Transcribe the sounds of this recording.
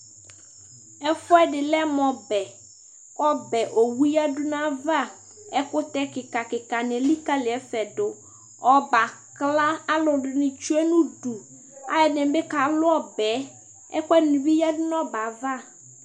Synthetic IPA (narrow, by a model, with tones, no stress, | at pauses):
ɛ˦fʊ˦ɛ˦ɖɪ˨lɛ˦mɔ̃˨bɛ˨ | ɔ˦bɛ˨ʔo˨wu˦ja˦dʊ˦nã˦va˦˨ | ɛ˦kʊ˦t̪ɛ˦kɪ˨ka˨kɪ˨ka˨nɪ̃˨li˦ka˦lɪ˨ɛ˨˦fɛ˨ɖʊ˨ | ɔ˦ba˨kla˦a˦lʊ˨ɖʊ˨nɪ̃˨t͡ʃu˦ɛ˦nũ˦ɖu˨ | a̰˦jɛ˨nɛ̃˨˦bɛ˦ka˨lʊ˦ɔ˦bɛ˨˦ | ɛ̰˦kɛ˦nũ˨bi˦ja˦dʊ˦nɔ̃˦ba˨va˦˨